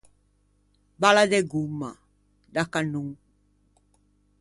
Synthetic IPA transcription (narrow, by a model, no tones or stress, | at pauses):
baladeɡuma | dakanuŋ